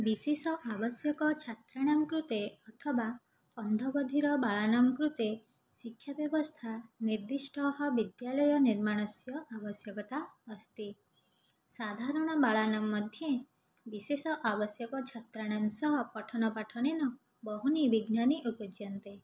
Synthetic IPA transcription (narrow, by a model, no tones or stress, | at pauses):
bisesɔʔabɔsjɔkɔt͡ʃʰat̪ɾaɽ̃amkɾut̪eɔt̪ʰɔba | ɔnd̪ʱɔbɔd̪ʱiɾɔbaɭanamkɾut̪e | sikʰːjabjɔbɔst̪ʰaniɾd̪isʈɔɦɔbid̪jalɔjɔniɾmaɽ̃ɔsjɔʔabɔsjɔkɔt̪aɔst̪i | sad̪ʱaɾɔɽ̃ɔbaɭanamːɔd̪ʱje | bisesɔʔabɔsjɔkɔt͡ʃʰat̪ɾaɽ̃amsɔɦɔpɔʈʰɔnɔpaʈʰɔnenɔ | bɔɦunibiɡnaniʔupɔd͡ʒjɔnt̪e